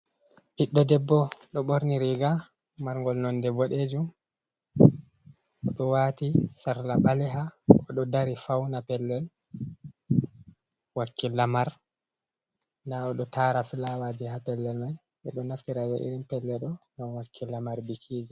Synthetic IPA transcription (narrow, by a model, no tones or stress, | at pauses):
ʔiɗːɔdɛbːɔɗɔɓoɾniɾiɡa | maɾŋɡɔlnɔndɛbːɔɗed͡ʒum | ʔɔɗɔwatisaɾlabalɛɦaɔɗɔdaɾifawnapɛlːɛl | wakːilamaɾ | ndaɔɗɔtaɾafilawadihapɛlːɛlmaj | ɓɛɗɔnaftiɾad͡ʒaʔḭɾimpɛlːɛɗɔŋɡamwakʰːilamaɾbikʰid͡ʒi